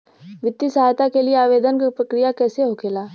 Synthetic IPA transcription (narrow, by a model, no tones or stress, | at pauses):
ʋɪt̪ːisɐɦaːjt̪akelieaːʋeːd̪ənkapɾɐkɾijakɛːseɦokʰeːlaː